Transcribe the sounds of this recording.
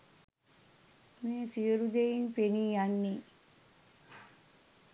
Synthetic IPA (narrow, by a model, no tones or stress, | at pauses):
meːsijəɾud̪ejinpeniːjanːi